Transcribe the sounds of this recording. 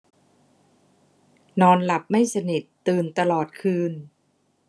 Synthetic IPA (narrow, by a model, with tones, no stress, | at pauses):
nɔː˧nla˨˩p̚ma˥˩jsa˧ni˨˩t̪ːɯː˨˩nt̪a˧lɔː˨˩t̪̚kʰɯː˧n